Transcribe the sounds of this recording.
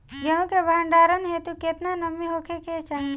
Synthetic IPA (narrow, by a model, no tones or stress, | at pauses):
ɡeɦũkebʱaːɳɖaːɾənɦet̪uket̪nanəmiɦokʰekʰet͡ʃaːɦĩ